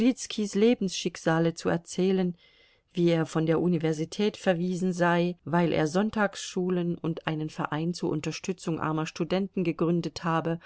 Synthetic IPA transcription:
ʁit͡skʰisleːbn̩sʃɪkz̥aːlət͡suɛ̰ɐt͡sɛːlən | viːeːɐfɔndeːɐʔunivɛɐzitʰɛːtfɛɐviːzn̩zaɪvaɪlʔḛːɐzɔntʰaːksʃuːlənʊntʔaɪnənfɛɐʔa̰ɪnt͡suːɐʔʊntɐʃtʰʏt͡sʊŋʔa̰ɐmɐʃtudɛntn̩ɡəɡʁʏndəthaːbə

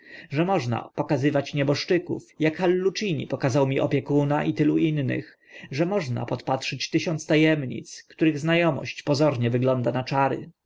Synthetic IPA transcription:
ʐɛmɔʐna̰pɔkazɘvat͡ɕɲɛbɔʂt͡ʂɘkṵfjakxalːut͡ʂiɲḭpɔkazawmʲiʔɔpʲjɛkunaʔit̪ɘluʔinːɘ̰x | ʐɛmɔʐna̰pɔt̪patʂɘt͡ɕt̪ɘɕɔnt̪st̪ajɛmɲḭt̪skt̪uɾɘɣznajɔmɔ̰ɕt͡ɕpɔzɔɾɲɛvɘɡlɔnd̪anat͡ʂaɾɘ̰

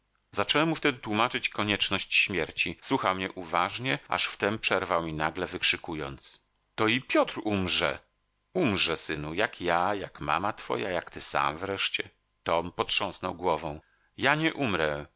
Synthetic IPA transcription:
zat͡ʂɛwɛmːuft̪ɛd̪ɘt̪wumat͡ʂɘt͡ɕkɔɲɛt͡ʂnɔɕt͡ɕɕmʲjɛɾt͡ɕiswuxawmɲɛʔuvaʐɲɛa̰ʂft̪ɛmpʂɛɾvawmʲinaɡlɛvɘkʂɘkujɔ̰nt̪s | t̪ɔipʲjɔt̪ɾumʐɛ̰ | umʐɛsɘnujakjajakma̰mat̪fɔ̰ja̰jakt̪ɘsa̰mvɾɛʂt͡ɕɛ | t̪ɔmpɔtʂɔ̃w̃snɔwɡwɔvɔ̃w̃ | jaɲɛʔumɾɛ

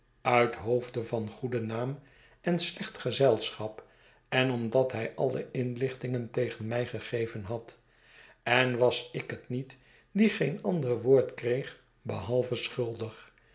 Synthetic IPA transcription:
œɥtɦowvdəvɑnχudənaːm | ɛnslɛχtχəzɛlˠsχɑp | ɛnɔmdɑtɦɛjʔɑ̰lˠə̰ɪnlɪχtɪŋəntejχənmɛjχəχejvənɦɑt | ɛnʋɑsɪkətnit | diχejnɑndərʋoːɹtkrejχ | bəɦɑlˠvəsχʏlˠdəχ

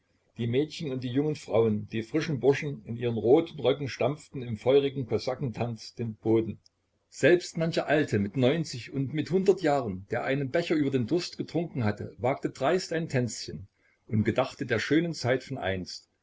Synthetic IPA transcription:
d̥iːmɛːtçən̩ʊnt̚d̥iːjʊŋənfʁ̥a̰ʊənd̥iːfʁ̥ɪʃn̩bʊɐʃn̩ɪnʔiːʁ̞ənʁoːtn̩ʁœkŋ̩ʃtamp͡ftn̩ɪmfɔʏʁɪɡŋ̩kʰozakŋ̩tʰant͡sd̥eːnb̥oːdn̩ | z̥ɛlpstmançɐʔaltʰəmɪtnɔʏnt͡sɪçʊntmɪthʊndɐtjaːʁənd̥eːɐʔaɪnənbɛçɐʔyːbɐdeːndʊɐstɡ̥ətʁ̥ʊŋkŋ̩ɦatə̰vaːk̚tədʁaɪstaɪntʰɛnt͡sçən | ʔʊntɡ̥ədaχtədeːɐʃøːnənt͡saɪtfɔnʔa̰ɪnst

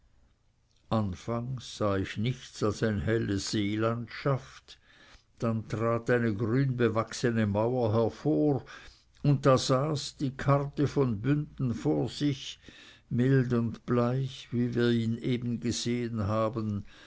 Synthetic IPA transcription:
ʔanfaŋsːaːɪçnɪçt͡salsaɪnhɛləz̥eːlantʃaft | d̥antʁaːtaɪnəɡʁyːnbəvaksənəmaʊɐɦɛɐfoːʁ | ʊnt̚d̥aːz̥aːsd̥iːkʰartəfɔnbʏndn̩foːɐz̥ɪç | mɪldʊndb̥laɪçviːviːɐiːneːbən̩ɡəz̥eːənɦaːbən

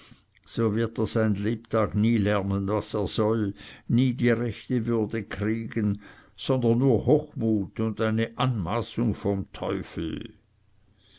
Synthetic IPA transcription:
z̥oːvɪɐteːɐz̥aɪnnleːp̚tʰaːɡniːlɛɐnənvaseːɐz̥ɔlniːdiːʁɛçtəvʏɐdəkʰʁ̥iːɡənz̥ɔndɐnːuːɐhoːxmuːtʊndaɪnəʔanmaːsʊŋfɔmtʰɔʏfl̩

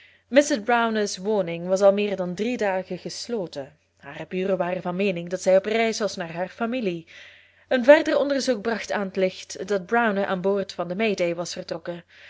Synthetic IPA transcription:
mɪsɪsbrawnəsʋoːnɪŋʋɑsɑlˠmɪːrdɑndridaːɣəχəsloːtə | haːrəbyːrəʋaːrəvɑnmeːnɪŋdɑtsɛjɔprɛjsʋɑsnaːrɦaːrfamili | ənvɛrdərɔndərzuk̚brɑxtaːnətlɪxtdɑd̚brawnəʔa̰ːnboːrtfɑndəmejdejʋɑsfərtrɔkə

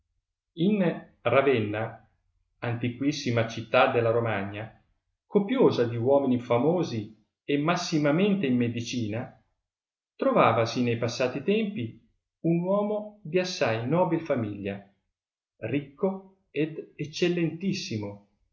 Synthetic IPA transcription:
in | ravɛnːa | ant̪ikwisːimat͡ʃit̪ːad̪ːelːaɾomaɲːa | kopjoːzad̪iwɔːminifamoːzi | emːasːimament̪eimːed̪it͡ʃiːna | t̪ɾovaːvasinejpasːaːt̪it̪ɛmpi | unwɔːmod̪iasːajnɔːbilfamiʎːa | rikːo | ed̪et͡ʃːelːent̪isːimo

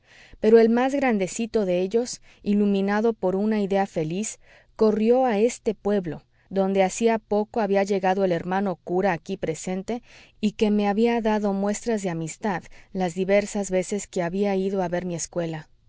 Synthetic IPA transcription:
pe̞ɾo̞e̞lmazɣɾand̪e̞sit̪o̞ðe̞eʝo̞s | ilumĩnaðo̞po̞ɾunaiðe̞afe̞lis | ko̞rjo̞ae̞st̪e̞pwe̞βlo̞̰ | ðo̞nd̪e̞asiapo̞ko̞aβiaʝe̞ɣaðo̞e̞le̞ɾmãno̞kuɾaːkipɾe̞se̞nt̪e̞ | ike̞me̞aβiaðaðo̞mwest̪ɾazðe̞amist̪aðlazðiβe̞ɾsazβe̞se̞ske̞aβiaiðo̞aβe̞ɾmie̞skwe̞la

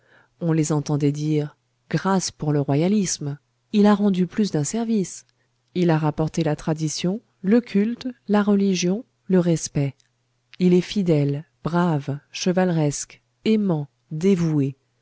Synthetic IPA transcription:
ɔ̃lezɑ̃t̪ɑ̃d̪ɛd̪iʁ | ɡ̥ʁaspuʁləʁwajalism | ilaʁɑ̃d̪yplys̬d̪ɛ̃sɛʁvis | ilaʁapɔʁt̪elat̪χad̪isjɔ̃ | ləkʲʰylt̪laʁəliʒjɔ̃ | ləʁɛspɛ | ilɛfid̪ɛl | b̥ʁavʃəvalʁɛsk | emɑ̃ | d̪evue

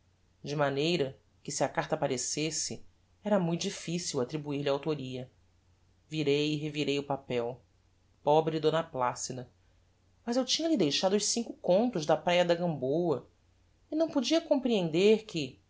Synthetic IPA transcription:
d͡ʒɪmanejɾɐ | kɪsiɐkaɾt̪ɐapaɾesesɪ | ɛɾɐmũj̃t̪ʊd͡ʒifisiwat̪ɾibuiɾlɪaawt̪oɾiɐ | viɾejɪɦeviɾejʊpapɛw | pɔbɾɪd̪õnɐplasid̪ɐ | mɐzewt͡ʃĩɲɐlɪd̪ejʃad̪ʊsĩŋkʊkõnt̪ʊzd̪ɐpɾajɐd̪ɐɡɐ̃mbowɐ | ɪnɐ̃w̃pod͡ʒiɐkõmpɾiẽnd̪eɾkɪ

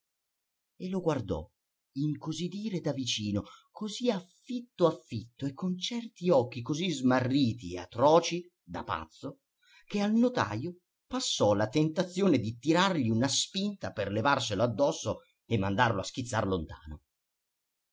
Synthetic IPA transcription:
eloɡward̪ɔ̰ | iŋkozid̪iːɾed̪avit͡ʃiːnokʰoziafːit̪ːoafːit̪ːoekʰːont͡ʃɛrt̪iɔk̟ːikozizmarːiːt̪iḛa̰t̪ːɾɔːt͡ʃi | d̪a̰pa̰t̪sːo | k̟ealnot̪a̰ːjo | pasːɔlat̪ent̪at̪sːjoːned̪it̪iɾarʎiunaspint̪aperlevarseload̪ːɔsːo | emːand̪arloask̟it̪sːarlont̪a̰ːno̰

